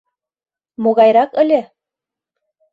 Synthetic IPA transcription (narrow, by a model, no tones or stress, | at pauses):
muʁɑjɾɑqɘ̆lɘ